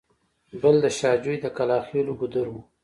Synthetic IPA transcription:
bəld̪əʃɑːd͡ʒujd̪əkalɑːxeloɡʊd̪əɾwu

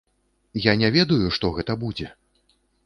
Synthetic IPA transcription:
janʲɛvʲɛd̪ɐjuʂt̪ɔɣɛt̪ɐbud͡zʲɛ

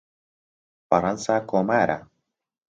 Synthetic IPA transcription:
paɾansakomaɾa̰

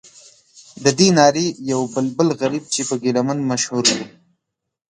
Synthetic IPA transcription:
d̪əd̪inɑɾijawbəlbəlɣaɾib̚t͡ʃepəɡelamənmaʃhuɾwu

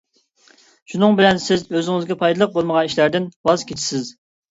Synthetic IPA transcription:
ʃunɨŋbɪlɛnsɪzøzɪŋɪzɡʲɛpʰɑjd̪ɨlˠəq̚bolˠməʁɑniʃlæɾd̪ɪnwɑzkʲʰet͡ʃʰi̥sɪz

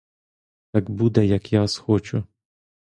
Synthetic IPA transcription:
t̪aɡbud̪ɛjɐkjasxɔt͡ʃʊ

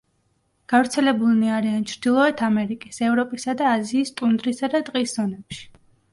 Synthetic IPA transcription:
ɡ̥avɾt̪sʰɛlɛbulniaɾiant͡ʃʰɾd̪ilˠɔɛt̪ʰamɛɾikʼisɛvɾɔpʼisad̪aːziːst̪ʼund̪ɾisad̪at̪ʼqʼisz̥ɔnɛpʃi̥

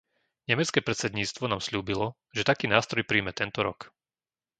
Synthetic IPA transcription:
ɲɛmɛt͡skɛːpɾɛt̪t͡sɛd̪ɲiːt͡sst̪ʋɔnaːmsʎuːbilɔ | ʒɛt̪akiːnaːst̪ɾɔjpɾiːmɛt̪ɛnt̪ɔɾɔk

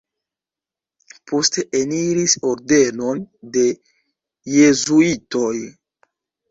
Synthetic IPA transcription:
pʰo̞ste̞ʔeniɾiso̞ɾde̞no̞nde̞ | je̞zuito̞j

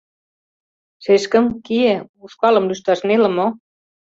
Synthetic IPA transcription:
ʃeʃkə̆mkiĕuʃkɑlɤ̆mlyʃt̪ɑʃnelə̆mo

